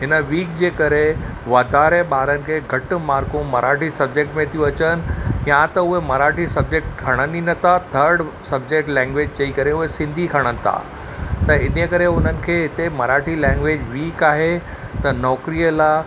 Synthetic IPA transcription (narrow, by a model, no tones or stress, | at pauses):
ɦɪnəʋiːk̚d͡ʑeːkɐɾe | ʋaːd̪ʱaːɾeɓaːɾənɪ̆kʰeːɡʱɐʈ̆maːɾkũmɐɾʔaːʈʰisɐb̚d͡ʑek̚ʈmẽt̪ʰijũɐt͡ɕənɪ̆jãt̪ɐʊɦemɐɾaːʈʰisɐb̚d͡ʑek̚ʈkʰɐɽ̃əninət̪ʰat̪ʰəɾɖsɐb̚d͡ʑek̚ʈlɛ̃ːŋɡʋeːd͡ʑd͡ʑɐikɐɾeʊɦesɪ̃nd̪ʱikʰɐɽ̃ənɪ̆t̪ʰa̰ː | t̪ɐɪnjəkɐɾeʊn̤ənɪ̆kʰeːɦɪt̪emɐɾaːʈʰilɛ̃ːŋɡʋeːd͡ʑʋiːkaːɦe | t̪ɐnɔːkɾijəla